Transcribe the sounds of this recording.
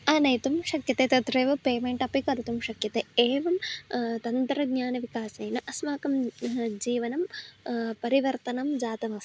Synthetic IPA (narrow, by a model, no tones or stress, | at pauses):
aːnɐjt̪umʃɐkjɐt̪eːt̪ɐt̪ɾeːʋɐpeːmeɳʈɐpikɐɾɐt̪umʃɐkjɐt̪eeːʋɐmt̪ɐnt̪ɾɐɡɲaːnɐʋikaːsɐjnɐʔɐsʋaːkɐmd͡ʒiːʋɐnɐm | pɐɾiʋɐɾt̪ɐnɐmd͡ʒaːt̪ɐmɐst̪